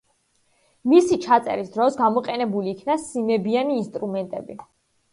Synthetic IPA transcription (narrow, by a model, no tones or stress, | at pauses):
misit͡ʃʰat̪sʼɛ̰ɾisd̪ɾɔsɡamɔqʼɛnɛbuliːkʰnasimɛbianiːnst̪ʼɾumɛnt̪ʼɛ̰bi